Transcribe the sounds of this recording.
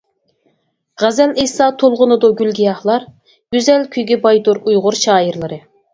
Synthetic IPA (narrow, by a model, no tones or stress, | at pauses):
ʁæzɛlijsɑt̪ʰolˠʁʊnɨd̪ʊɡʲylɡʲijɑχlˠɑɾ | ɡ̥ʲyzɛlkʲʰyjɡʲɛbɑjd̪uɾujʁʊɾʃɑːjiɾlˠɨɾɨ